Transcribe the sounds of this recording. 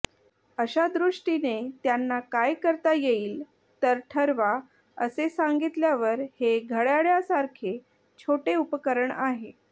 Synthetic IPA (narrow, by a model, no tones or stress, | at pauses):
əɕad̪ɾuʂʈinet̪janːakajkəɾt̪ajeiːl | t̪əɾʈʰəɾʋa | ə̰sesaŋɡit̪ljaʋəɾheɡʱəɽjaɭjasaɾkʰe | t͡ɕʰoʈeupəkəɾəɳaɦe